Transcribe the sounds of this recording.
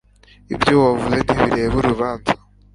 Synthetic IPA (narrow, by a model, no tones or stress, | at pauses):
ibjowavuzen̥hiβiɾeːβuɾuβaːnza